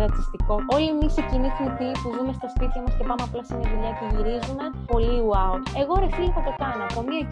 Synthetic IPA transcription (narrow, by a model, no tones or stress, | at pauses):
ɾɐt̪ist̪iko̞o̞liemisicinifip̪ipuzume̞st̪ospit̪çomɐscepɐmeɐplɐst̪imɐðuʎɐetiʝiɾizunɐ | po̞liuɐut̪e̞ɣoɾeθiipɐt̪okɐnɐpomiɐ